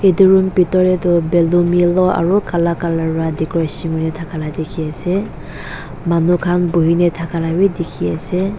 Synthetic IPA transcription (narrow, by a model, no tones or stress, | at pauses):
iduɹumpitɔɾedɔbelumilɔa̰ɹukʰalakalaɾadikɔjsiŋunetʰakʰaladikʰiase | manukʰanbuɦinetʰakʰalawidikʰiase